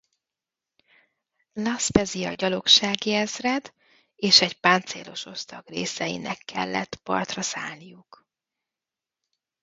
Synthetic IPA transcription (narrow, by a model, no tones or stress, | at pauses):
lɒspɛziɒɟɒlo̞kʃaːɡiɛzrɛd̪ | eːʃɛɟpaːnt̪sḛːlo̞ʃo̞st̪ɒɡrḛːsɛjḭnɛ̰kʰːɛ̰lːɛ̰t̪ːpɒ̰rt̪rɒsaːlnijuk